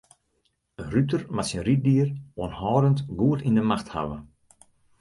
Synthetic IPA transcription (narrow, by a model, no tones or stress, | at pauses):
ənryp̚tərmasinrit̚diəroənhɔːdəntɡuətindəmaxtha̰ʋə